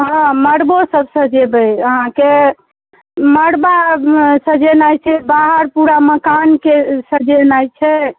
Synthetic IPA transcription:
ɦɔ̃məɽbosəbsəd͡ʒebəjəɦãke | məɽbasəd͡ʒenajt͡ʃʰɛbaɦəɾpuɾaməkankesəd͡ʒenajt͡ʃʰɛ

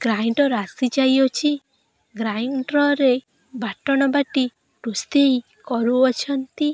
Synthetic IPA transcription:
ɡ̥ɾajɳɖɔɾasid͡ʒajɔt͡ʃʰi | ɡɾajɳɖɾɔɾe | baʈɔñɔbaʈi | ʈust̪eɦi | kɔɾuɔt͡ʃʰɔnt̪i

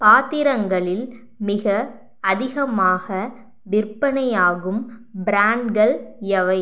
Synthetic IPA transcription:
paːt̪ɪɾɐŋɡɐɭɪl | mɪɣɐ | ɐðɪɣɐmaːɣɐ | ʋɪrpɐnɐjaːɣɯmbɾaːɳɖɡɐɭɐʋɐɪ

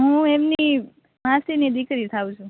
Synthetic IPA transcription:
ɦũemni | masinid̪ikɾit̪ʰaũt͡ʃʰũ

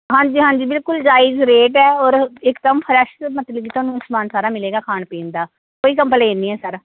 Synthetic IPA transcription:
ɦãːɲd͡ʒiːɦãːɲd͡ʒiːbɪlkʊld͡ʒaːɪːzɾeːʈɛːɔːɾɪkd̪əmpʰəɾɛʃt̪mət̪ləbiːt̪ʊoaːnũːsmaːnsaːɾaːmɪleːɡaːkʰaːɳpẽːnd̪aː | koːiːkəmpəleːniːɛːsəɾ

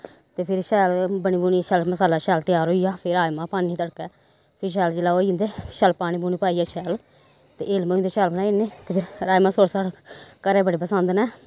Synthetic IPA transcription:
t̪eːpʰɪɾʃɛːlbənĩːbuːniʃɛːlməsaːlaːʃɛːlt̪ɪjaːɾɦoːijaːpʰɪɾaːjmãːpaːnːiːt̪əɽkɛː | pʰɪɾʃ̬ɛːld͡ʒɪlaːoːiɪnd̪eːʃɛːlpaːɽ̃iːbuːniːpaːiːaːʃʰɛːl | t̪ḛːeːlmə̃ːnd̪eːʃɛːlbənaːneːt̪eːpʰɪɾɾaːjmãːsoːɽsaːɽkəɾɛːbəɽeːpəsənd̪nɛː

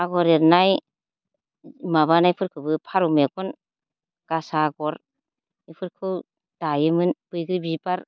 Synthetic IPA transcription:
aɡɔɾeɾnaj | maβanajpʰɯɾkʰɯwbɯpʰaɾumeɡɔn | ɡ̥asaɡɔɾ | ipʰɯɾkʰɯw | d̥ajɯmɯnb̥ɯjɡɾibibaɾ

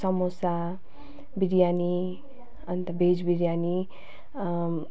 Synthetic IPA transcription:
sʌmosa | biɾjani | ʌnt̪abʱed͡zbiɾjani

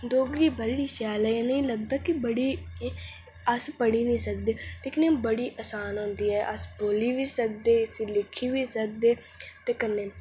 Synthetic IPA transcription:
d̪oːɡɾiːbəɾɽiːʃɛːlɛ̃ːnəĩːləɡd̪aːkɪbəɽiː | əspəɽiːnəĩːsək̚d̪eːleːkɪnebəɽiːʔəsaːnɦʊ̃nd̪iːɛːʔəsboːliːʋiːsək̚d̪eːsiːlɪkʰːiːʋiːsək̚d̪eː | t̪eːkənːeː

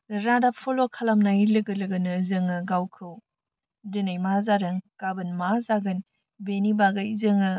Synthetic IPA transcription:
ɾadapʰolokʰalamnailɯɡɯlɯɡɯnɯzɯŋɯɡawkʰɯw | dɯnɯjmazaɾɯŋkabɯnmazaɡɯn | benibaɡɯjzɯŋɯ

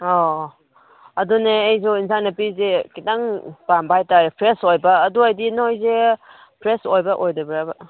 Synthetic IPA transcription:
ɔ | ɐduneːjzoinsajnɐpizekidaŋpambajtaɾpʰɾesojbɐːduajdinojze | pʰɾesojbɐʔojdebɾabɐ

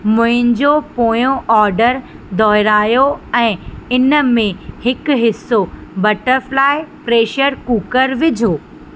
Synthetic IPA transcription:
mʊ̃ɦɪ̃n̆d͡ʑopoːjõʔɔːɾɖəɾ | d̪ʱɔːɦɪɾaːjoɛ̃ːɪnə̆mẽhɪkɦɪsːobɐʈəɾflaːɪpɾeːʃəɾkuːkəɾʋɪd͡ʑʱoː

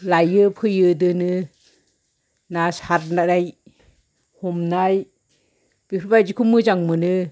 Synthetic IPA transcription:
lajɯpʰɯjɯdɯnɯ | nasaɾnanaj | hɔmnaj | b̥ipʰibajd͡ʒikʰumɯzaŋmɯnɯ

